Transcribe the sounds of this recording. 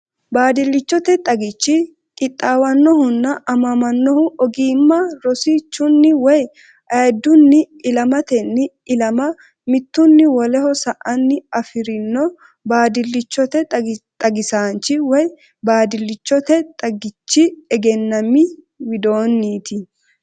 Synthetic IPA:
baːd̪ɪlːɪt͡ʃːɔt̪ɛt̪ʼɐɡɪt͡ʃːɪ | kʼɪt̪ʼːaːwɐnːɔhʊnːɐʔɐmɐmɐnːɔhʊʔɔɡiːmːɐɾɔsit͡ʃːʊnːɪwɔj | ʔɐjɛd̪ːʊnːɪːlɐmɐt̪ɛnːɪ | ɪlɐmɐ | mɪt̪ːʊnːɪwɔlɛhɔsɐʔɐnːɪɐfɪɾɪnːɔ | baːd̪ɪlːɪt͡ʃːɔt̪ɛt̪ʼɐɡɪsaːnt͡ʃːɪwɔj | baːd̪ɪlːɪt͡ʃːɔt̪ɛt̪ʼɐɡɪt͡ʃːɪɛɡɛnːɐmːɪ | wɪd̪o̞ːnːiːt̪ɪ

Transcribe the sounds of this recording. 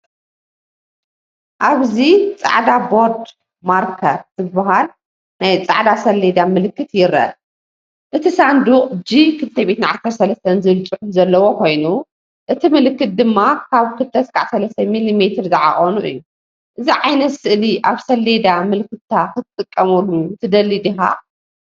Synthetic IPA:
ʔaβzit͡sʼa̰ʕd̪abo̞ɾd̪ | maɾkʰɐtzɨbaɦal | najt͡sʼa̰ʕd̪asɐlːed̪amɨlɨkːɨt̪jɪɾɐ̰ | ʔɨt̪ʰisand̪uχʼd͡ʒikʰɨlt̪ʰɐβet̪nʕasɐɾsɐlɐst̪ʰɐnzɨlt͡ʃʼɨħunzɐlːɐwo̞kʰo̞jnu | ʔɨt̪ʰimɨlɨkːɨt̪̚d̪ɨmːakʰaβkʰɨlt̪ʰɐskʰʼaʕsɐlɐst̪ʰɐmilimet̪ʰɨɾzɐʕa̰χʼonuʔɨ̰jːu | ʔɨziʕajnɐt̪sɨʔliʔaβsɐlːed̪amɨlkːɨt̪t̪ʰːakʰɨt̪ʰɨt̪ʼːɨkʼːɐmulːuɨt̪ʰɨd̪ɐlːid̪iɦa̰

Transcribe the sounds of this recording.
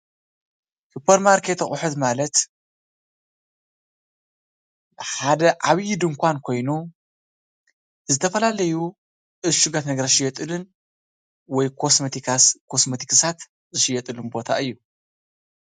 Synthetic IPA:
supʰɐɾmaɾkʰe̞t̪xʼʊħɨt̪malɐt̪ | ħad̪ɐʔaβjɪd̪ɨŋkʰʷankʰo̞jnu | zɨt̪ʰɐfɐlalɐju | ʔɨzʃuɡat̪nɐɡɐɾaʃɪjɛt̪ʼɨlɨn | wɔjkʰosmɐt̪ʰiskʰosmɐt̪ʰi̥kʰɨsat̪ | zɨʃɨjːɛt̪ʼɨlunbo̞t̪ʰa̰ʔɨjːu

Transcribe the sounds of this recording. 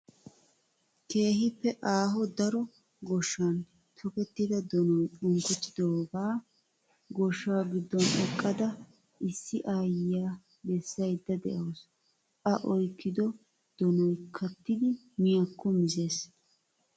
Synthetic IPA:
kʰe̞ːɦɪpːɛʔaːɦɔd̪ɐɾɔ | ɡɔʃːan | t̪ʰɔkɛt̪ːɪd̪ɐd̪ɔnɔjʊŋkʊt̪ːɪd̪obaː | ɡɔʃːaːɡɪd̪ːɔnɛkʼːɐd̪ɐ | ʔɪsːɪʔaːjɪjaː | bɛsːɐjd̪ːɐd̪ɛ̰ʔoːs | ʔɐʔɔjkːɪd̪ɔ | d̪̥ɔnɔjkʰɐt̪ːɪd̪ɪ | mɪjakːɔmɪze̞ːs

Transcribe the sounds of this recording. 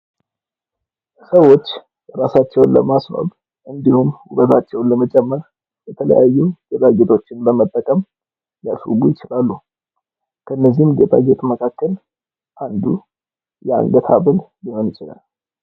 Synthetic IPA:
səwːo̞t͡ʃː | ɾasat͡ʃːɛwnlə̰masma̰β | ʔɨnd̪ihumhuɡət̪ʰat͡ʃːɛwnləmət͡ʃʼɛmːəɾ | jɛt̪ʰələ̰jajːuɡet̪ʼaɡet̪ʰʼo̞t͡ʃːɪnbəmət̪ʼːəkʼəm | jaswṵɡujɪt͡ʃɪlalːu | kʰəɨnːəzihmɡet̪ʼa̰ɡet̪ʼməkʰakːəl | ʔand̪u | jɛa̰ŋɡət̪ʰa̰βəlliho̞njɪt͡ʃʼɪla̰l

